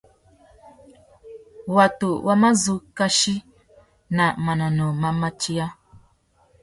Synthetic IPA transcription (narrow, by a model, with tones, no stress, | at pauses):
wa˨tu˨wʔa˦ma˦zu˦ka˦ʃi˦ | na˨ma˨na˨no˨ma˦ma˦t͡ʃi˦a˦